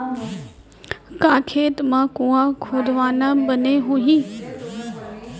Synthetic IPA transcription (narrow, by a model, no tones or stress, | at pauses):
kãːkʰeːt̪mãkũːãkʰuːd̪ʱʋaːnãbəneɦũɦĩː